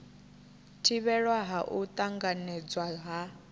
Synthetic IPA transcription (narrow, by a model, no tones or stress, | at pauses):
tʰiβɛɺwaɦaʔut̪ʼaŋɡanɛd͡zwaɦa